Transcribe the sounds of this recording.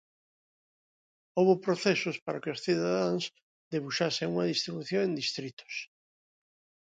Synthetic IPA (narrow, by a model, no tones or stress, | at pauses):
oβopɾoθesʊspaɾakɪʊsθiðaðãŋs | d̪eβuʃaseŋuŋɐðist̪ɾiβuθjõŋẽnd̪ist̪ɾit̪ʊ̥s